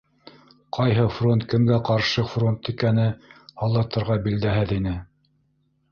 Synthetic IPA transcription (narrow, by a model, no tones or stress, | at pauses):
qʰɑjɦɤfront̪̚kɘ̆mɡæqɑɾʃɤfront̪ikænɘhɑlˠːɑt̪ɤ̆ɾʁɑbild̪æɦɘðinɘ